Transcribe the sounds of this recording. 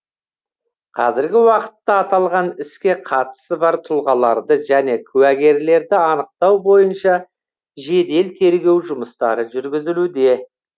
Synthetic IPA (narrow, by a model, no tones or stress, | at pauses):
qʰɑzɪɾɡʲɪwɑqə̥t̪ːɑːt̪ɑlˠʁɑnɪskʲe̞qʰɑt̪ə̥səbɑɾt̪ʰʊlˠʁɑlˠɑɾd̪əʒæne̞kʲʰʉwæɡʲe̞ɾle̞ɾd̪ɪɑnəq̚t̪ɑwbo̞jənʃɑ | ʒe̞d̪e̞lt̪ʰe̞ɾɡʲe̞wʒʊməst̪ɑ̰ɾəʒʏɾɡʲɪzɪlud̪e̞